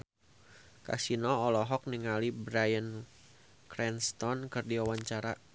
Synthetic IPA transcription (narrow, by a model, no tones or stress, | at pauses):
ka̰sinɔːlɔɦɔk̚niŋalibɾajən | kɾɛnst̪ɔnkɨrdiwawaɲt͡ʃaɾa